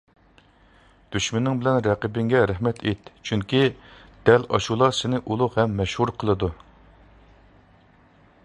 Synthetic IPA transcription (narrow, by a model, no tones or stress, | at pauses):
d̪̥yʃmɪnːɪŋbɪlɛnɾɛqəbɪŋɡʲɛɾæhmɛt̪ʰet̪t͡ʃʰyŋkʲid̪̥ɛlɑ̰ʃulˠɑɾsɪnɪʔulˠʊhɛmːɛʃhuɾqʰəlˠɨd̪u